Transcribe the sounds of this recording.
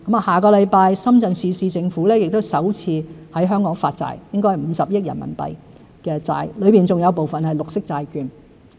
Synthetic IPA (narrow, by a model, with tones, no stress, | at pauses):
kɐ˨˥maː˨˩haː˨kɔː˧lɐ˨˧jpaː˧jsɐ˥mt͡sɐ˨nsiː˧siː˧t͡sɪ˧ŋfuː˨˥lɛː˥jɪ˨k̚t̪o˥wsɐ˨˥wt͡sʰiː˧hɐ˨˥jɦœː˥ŋkɔː˨˥ŋfaː˧t̚t͡sa̰ː˧jjɪ˥ŋkɔ˥jhɐ˨˩m̩˨˧sɐ˨p̚jɪ˥k̚jɐ̰˨˩nmɐ̰˨˩npɐ̰˨j | kɛː˧t͡sa̰ː˧jlɵ˨˧ɥpiː˨˩nt͡sʊ˨ŋjɐ˨˧wp̬o˨wfɐ˨nhɐ˨˩jlʊ˨k̚sɪ˥k̚t͡saː˧jkyː˨˧n